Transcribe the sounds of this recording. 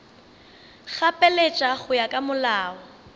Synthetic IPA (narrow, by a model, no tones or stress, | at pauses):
ɣapʼɛlet͡ʃʼaɣʊjakʼamʊlaːɔ